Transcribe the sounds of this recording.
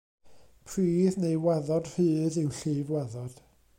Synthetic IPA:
pʰriːðnejwɛðɔd̥r̥ɨːðɪwɬɨːvwɛðɔd̥

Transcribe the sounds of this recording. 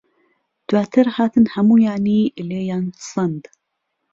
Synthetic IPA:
d̪̥waːt̪ʰɨɾhaːt̪ʰɨnhɐmuːjaːniːʔleːjaːnsɨnd̪

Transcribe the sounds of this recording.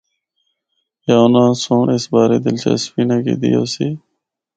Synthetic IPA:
jaːʊnãːsõːɳɪsbaːɾeːd̪ɪlt͡ʃa̰ːsfiːnãːkḛːd̪ɪjo̰ːsiː

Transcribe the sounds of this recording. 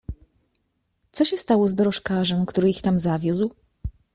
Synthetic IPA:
t̪sɔɕɛst̪awɔzd̪ɔɾɔʂkaʐɛm̃kt̪uɾɘixt̪amzavʲjuzw

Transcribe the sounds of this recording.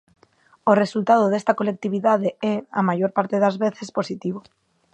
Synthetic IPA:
oresult̪að̞oðest̪akolek̚t̪iβ̞iðaðeeamaʝoɾpaɾt̪eðazβeθespo̞sit̪iβ̞o

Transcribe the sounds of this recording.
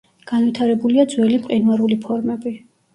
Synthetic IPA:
ɡ̥anwit̪ʰaɾɛbuliad̪zwɛlimpqʼinwaɾulipʰɔɾmɛbi

